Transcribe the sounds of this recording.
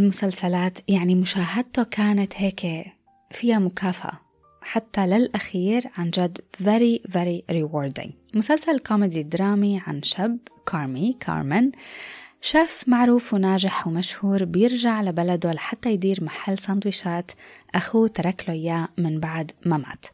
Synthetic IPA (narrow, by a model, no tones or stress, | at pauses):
ɪlmʊsalsalaːt̪jaʕnimʊʃaːɦad̪̚t̪okʰaːnat̪heːk | fɪjːamʊkaːfaʔa̰ | ħat̪ːalɪlʔaxiːɾʕand͡ʒad̪veɾiveɾiɾɪwoːɾd̪ɪ̰ŋ | mʊsalsalkoːmɪd̪id̪ɾˤɑːmiʕa̰nʃabkʰɑːɾmikʰɑ̰ːɾmɪn | ʃaːfmaʕɾuːfwnaːʒɪħwmaʃhuːɾbjɪɾʒaʕlabalad̪olaħat̪ːajd̪iːɾmaħalːsˤɑnd̪wɪʃaːt̪ʔaxut̪ɑɾˤaklʊjːaːmɪnbaʕd̪mama̰ːt̪